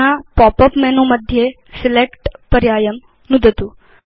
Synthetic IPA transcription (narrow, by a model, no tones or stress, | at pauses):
apɔpəpmɛnoməd̪ʱːje | sɪlekʈpɐɾjaːjəm | nud̪ʱət̪u